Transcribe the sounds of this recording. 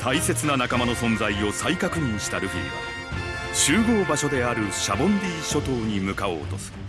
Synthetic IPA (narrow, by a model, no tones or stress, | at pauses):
t̪ʰaise̞t͡sɨnanakamano̞sõ̞nd͡zaio̞saikakɯ̟ɲĩɰ̃ɕi̥t̪aɾɯ̟çʲḭɾ̰ɡa̰ | ɕɨːɡo̞ːbaɕo̞d̪e̞aɾɯ̟ɕabõ̞mɾʲiːɕo̞t̪o̞ːɲ̟imɯ̟kao̞ːt̪o̞̰sɨ̥